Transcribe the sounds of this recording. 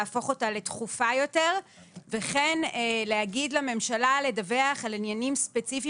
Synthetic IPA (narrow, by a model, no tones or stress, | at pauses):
fo̞χo̞tale̞t̪χufajo̞te̞ʁ | ve̞χeneleaɡidlame̞mʃalale̞dave̞aχalinjanimspe̞t͡sifi